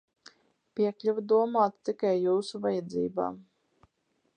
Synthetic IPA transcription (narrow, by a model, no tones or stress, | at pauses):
pʲiɛklʲuvud̪uɔmaːt̪t̪ːikajːuːsuvajɛd̪zḭːba̰ːm